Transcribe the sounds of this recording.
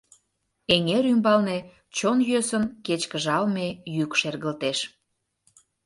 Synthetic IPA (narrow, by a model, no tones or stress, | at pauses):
eŋeɾymbɑlne | t͡ɕonjøsənket͡ɕkəʒɑlmejykʃerɣəlt̪eʃ